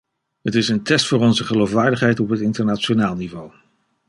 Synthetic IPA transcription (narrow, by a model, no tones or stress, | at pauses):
ɦətɪsəntɛstfʊːɾɔnzəχəlowfʋaːɹdəχɦɛjtɔpɦətɪntəɹnat͡ʃonaːlˠnivow